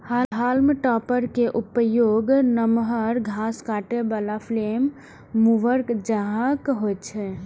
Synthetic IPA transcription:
haɦalmʈɔpəɾkeʔupəjoːɡnəmɦəɾɡʱaskaːʈebalapʰlemː | uʋəɾkd͡ʒəɦãkɦot̪t͡ʃʰɛ

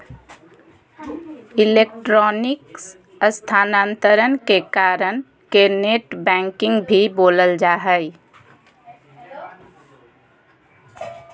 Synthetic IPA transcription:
ilek̚ʈɾɔniks | əst̪ʰanant̪əɾənkekaɾən | keneʈbɛ̃ŋkɪŋɡbʱiboləld͡ʒaɦəj

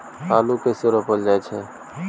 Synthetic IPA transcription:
haːlukesoɾəpəld͡ʒaɛt͡ʃʰɛ

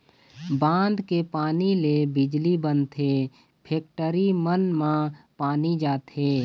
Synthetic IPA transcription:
bãːnd̪kepaːnilebɪd͡ʒlibənt̪ʰe | pʰeːk̚ʈəɾimənmãpaːnid͡ʒaːt̪eː

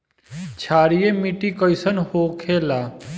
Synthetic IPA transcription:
t͡ʃʰaːɾijemiʈikəjsənhokʰela

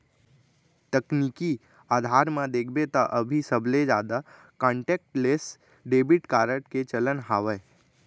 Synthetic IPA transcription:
t̪əkniːki | aːd̪ʱaːɾmãd̪eːkʰbet̪aʔəbʱisəbled͡ʒa̰ːd̪a | kãːɳʈeːk̚ʈleːs | ɖeːbɪʈkaːɾəʈket͡ʃələnɦaːʋə

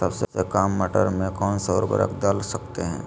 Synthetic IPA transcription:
sɐbsesekaːmːəʈə̰ɾmẽkɔːnsəɾbə̰ɾə̰kd̪əlsɐkt̪eɦɛ̃ː

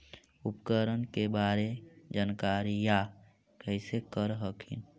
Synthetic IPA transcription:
upkəɾənkebaːɾed͡ʒankaːɾija | kəɪsekəɾɦəkʰḭn

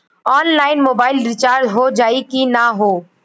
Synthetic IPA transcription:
ɔːnlaːɪnmoːbaːɪlɾɪt͡ʃaːɾd̪ɦod͡ʒaːikinaɦoː

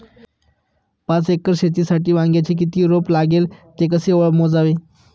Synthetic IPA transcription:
pãt͡sekəɾɕet̪̬iːsaʈiːʋãŋɡjat͡ɕek̬it̪iːɾoplaɡelt̪ekəseəɭmod͡zaʋe

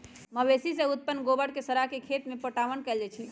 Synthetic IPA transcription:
məbesisẽut̪̚pənːɡobəɽkesəɾakekʰet̪mepəʈaʋənkɛld͡ʒɛt͡ʃʰi

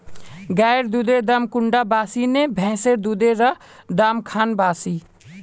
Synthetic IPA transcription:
ɡaːɾd̪ud̪eːd̪aːmkʊɳɖaːbaːsiːnẽbʱɛ̃ːseɾd̪ud̪eɾɐ | d̪aːmkʰaːnbaːsiː

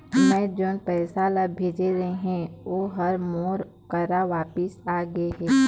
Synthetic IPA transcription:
mɛ̃ːd͡ʒoːnpɛːsalabʱeːd͡ʒeɾɐɦeɦɛ̃oɦɐɾmoːɾ | kɐɾaʋaːpəsaːɡəeɦɛː

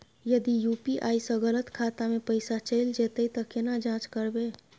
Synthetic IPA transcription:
jəd̪ijuːpiʔaːisɔ̃ɣələt̪kʰaːt̪amẽpəɪsat͡ʃəɪld͡ʒeːt̪eit̪ɐkɪnad͡ʒãːt͡ʃkəɾbeː

